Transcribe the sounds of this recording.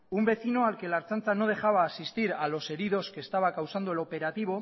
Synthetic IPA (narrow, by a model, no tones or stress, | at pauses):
umbe̞θino̞alkelaɾt͡sant͡sano̞ð̞e̞xaβ̞aːsist̪iɾalo̞se̞ɾið̞o̞ske̞ːst̪aβ̞akawsand̪ue̞lo̞pe̞ɾat̪iβ̞o̞